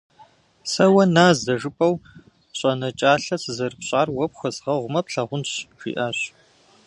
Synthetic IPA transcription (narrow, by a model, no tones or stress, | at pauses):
sɐwɐnaːzdɐʐɨpʼɐw | ɕʼɐnɐt͡ʃʼaːɬɐsɨzɐrɨpɕʼaːrwɐpxʷɐzʁɐʁʷʊmɐpɬɐʁʷʊnɕʒḭːʔaːɕ